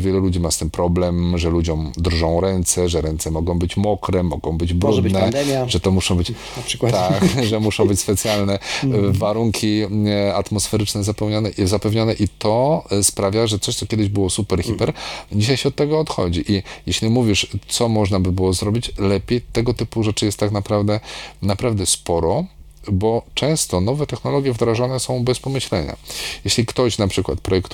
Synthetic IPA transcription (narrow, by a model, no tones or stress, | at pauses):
vʲjɛlɛlud͡ʑimast̪ɘmpɾɔblɛmʐɛlud͡ʑɔ̃md̪rʐɔ̃w̃ɾɛnt̪sɛʐɛɾɛnt̪sɛmɔɡɔ̃w̃bɘt͡ɕmɔkɾɛmɔɡɔ̃w̃bɘd͡ʑbɾunɛd̪ɛmjaʐɛt̪ɔmuʂɔ̃w̃bɘt͡ɕ | ʂkwt̪akʐɛmuʂɔ̃w̃bɘt͡ɕʲspɛt̪sʲjalnɛvaɾuŋkʲʰiat̪mɔsfɛɾɘt͡ʂnɛzapɛwɲanɛzapɛvɲɔnɛʔit̪ʰɔspɾavʲjaʐɛt̪sɔɕt̪sɔkʲjɛd̪ɘʑbɘwɔsupɛɾxʲipɛɾd͡ʑiɕajɕɛɔt̪ːɛɡɔːt̪xɔ̰d͡ʑiʔijeɕlʲimuvʲiʂt̪sɔmɔʐnabɘbɘwɔzɾɔbʲit͡ɕlɛpʲjejt̪ɛɡɔt̪ɘpuʐɛt͡ʂɘjɛst̪ːaknapɾavd̪ɛnapɾavd̪ɛspɔɾɔ | bɔt͡ʂɛ̃w̃st̪ɔnɔvɛt̪ɛxnɔlɔɡʲjɛvd̪ɾaʐɔnɛsɔ̃w̃bɛspɔmɘɕlɛ̰ɲa̰jeɕlʲikt̪ɔɕnapʂɘkwa̰t̪̚pɾɔjɛkt̪